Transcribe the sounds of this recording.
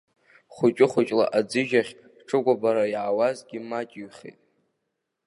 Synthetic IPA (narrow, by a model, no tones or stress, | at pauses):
χʷʊt͡ʃʼɪχʷʊt͡ʃʼla̰ʔad͡zɨʒaχʲ | ʈ͡ʂʰɨɡʷabaɾajʕawazɡʲɪmat͡ʃʼijχḛtʼ